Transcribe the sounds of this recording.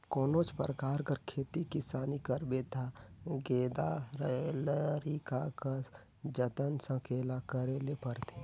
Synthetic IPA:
kɔːnoːt͡ʃpəɾəkaːɾkəɾkʰeːt̪ikɪsaːnikəɾbet̪ʰaɡeːd̪aɾləɾikakə | d͡ʒət̪ənsə̃kʰeːlakəɾeːlepəɾt̪ʰe

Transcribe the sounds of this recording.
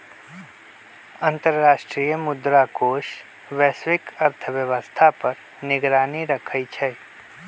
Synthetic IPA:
ɐ̃nt̪əɾɾaːʃʈɾijəmʊd̪ɾakoːʃ | ʋɛːswɪkəɾt̪ʰəʋjəʋəst̪ʰapəɾ | nɪɡɾaːniɾəkʰəit͡ʃʰɛ

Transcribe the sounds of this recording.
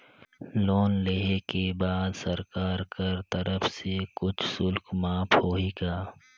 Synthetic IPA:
loːnleːɦekebaːd̪sɐɾkaːɾkəɾt̪ɐɾəfsekʊt͡ʃʰsʊlkmaːpʰhoːiːɡaː

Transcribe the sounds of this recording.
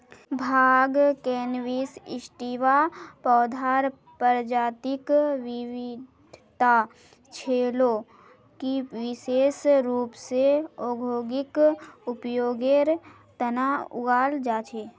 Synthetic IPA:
bʱaːɡkeːnʋiːsɪʃʈiʋapɔːd̪ʱaːɾ | pəɾd͡ʒaːt̪ɪkʋɪʋɪdʱt̪a | t͡ʃʰeːlo | kiʋɪʃeːsɾuːpseoːɡʱoːɡɪkʊpjoːɡeɾ | t̪ənaʊ̰ɡaːld͡ʒaːt͡ʃʰeː

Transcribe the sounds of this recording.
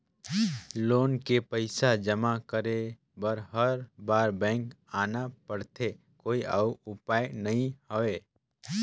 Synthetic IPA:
loːnkepəɪsad͡ʒəmakəɾe | bəɾɦəɾbaːɾbɛ̃ːŋk | aːnapəɽt̪ʰe | koːiʔauʊpaːjnɐɦĩhəʋeː

